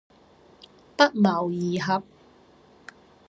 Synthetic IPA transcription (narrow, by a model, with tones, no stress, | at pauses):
t̪ɐ˥k̚mɐ˨˩wjiː˨˩ɦɐ˨p̚